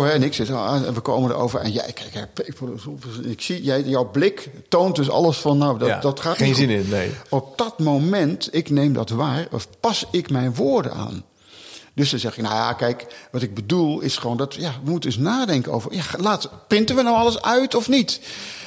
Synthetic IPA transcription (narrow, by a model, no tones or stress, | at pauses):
ɛɛnɪksɪto̰ʋəko̰ːməndə̰ro̰ːwvərɛ̰nja̰kɛkɛpekfolsofnɪksijɛjjɔwblɪktownt̚døsɑ̰lˠəsfɔnːawddɔtχaːteinɪnɪneɔp̚d̥ɔtmomɛntɪknejmdɔtʋaːrɔ̰fpɑsɪkmɛjnʋoːrdə̰na̰ːn | døsdɔnzɛχɪkna̰wja̰kɛjkʋɑtɪɡ̚bədulˠɪsχəʋoːndɔtjaʋəmutəndøsnaːdɛŋkəno̰wvərjalaːtprɪntənʋənowɑlˠəsœɥtʰɔfnit